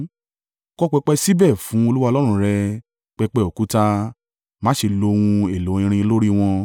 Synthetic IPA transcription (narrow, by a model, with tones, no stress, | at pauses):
kɔ˦k͡pɛ˧k͡pɛ˧si˦bɛ˦˨fũ˨˦o˧lu˦wa˧lɔ˦ɾ̃ũ˧˨ɾɛ˧ | k͡pɛ˧k͡pɛ˧o˨ku˦ta˧ | mã˦ʃe˧lo˧w̃ũ˧e˨lo˨˦ĩ˧ɾ̃ĩ˧lo˦ɾi˦w̃ɔ̃˧